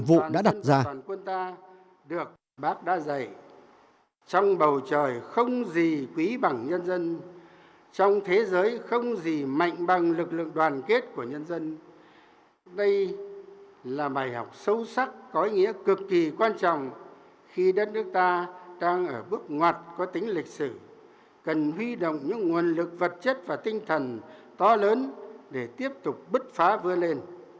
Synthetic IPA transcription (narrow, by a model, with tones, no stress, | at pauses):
vṵ˧˨ɗa̰ː˧˥ɗa˨˧t̚zaː˧aː˨˩nkwə˧nt̪aː˧ | ɗɨ˨˩ək̚ | ɓaː˦˥k̚ɗa̰ː˧˥za˨˩j | t͡ɕɔ˧wŋ͡mɓə˨˩wt͡ɕəː˨˩jxə˧wŋ͡mzi˨˩kwi˨˦ɓa˧˩ŋɲə˧nzə˧n | t͡ɕɔ˧wŋ͡mt̪ʰe˨˦zəː˨˦jxə˧wŋ͡mzi˨˩ma̰˧˨jŋ̟ɓa˨˩ŋlɨ˨˩k̚lɨ̰˧˨əŋɗwaː˨˩nke˦˥t̚ku˧˩əɲə˧nzə˧n | ɗə˧j | laː˨˩ɓaː˨˩jhɔ˨˩wk͡p̚sə˧wsa˦˥k̚kɔ˨˦i˨˧˦ŋḭ˧˥əkɨ˨˩kːi˨˩kwaː˧nt͡ɕɔ̰˧˨wŋ͡m | xi˧ɗə˦˥t̚nɨ˦˥ək̚t̪aː˧ɗaː˧ŋʔəː˧˩ɓɨ˦˥ək̚ŋwaː˨˩t̚kɔ˨˦t̪ï˨˦ŋ̟lï˨˩k̟̚sɨ˧˩ | kə˨˩nɦwi˧ɗo̰˧˨wŋ͡mɲɨ̰˧˥ŋːu˨˩ənlɨ˨˩k̚və˨˩t̚t͡ɕə˦˥t̚vaː˨˩t̪ï˧ŋ̟t̪ʰə˨˩nt̪ɔ˨˦ləː˨˦nɗe˧˩t̪i˦˥əp̚t̪ʊ˨˩k͡p̚ɓɨ˦˥t̚faː˨˦vɨ˧əle˧n